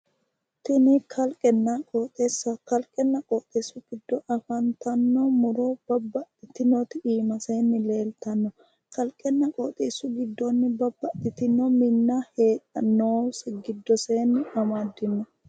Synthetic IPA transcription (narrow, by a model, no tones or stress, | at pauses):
t̪ɪnikʰɐlkʼɛnːɐkʼoːt̪ʼesːɐkɐlkʼɛnːɐkʼɔːt̪ʼeːsːʊɡ̥ɪd̪ːɔʔɐfɐnt̪ɐnːomʊɾob̥ɐbːɐʔt̪ɪt̪ɪnoːt̪ɪiːmɐse̞ːnːɪle̞ːlt̪ɐnːɔ | kʰɐlkʼɛnːɐkʼoːt̪ʼeːsʊɡɪd̪ːonːɪbɐbːɐʔt̪ɪt̪ɪnːomɪnːaheːᶑʼɐnːoːsɪɡɪd̪ːɔse̞ːnːɪɐmad̪ːɪnːɔ